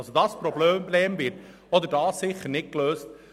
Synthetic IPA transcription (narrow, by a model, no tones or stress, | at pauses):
sodɑːspɾɔbløːmbleːmvɪt | ɔd̪əɾdɑːsːɪχːəɾnɪtkløːst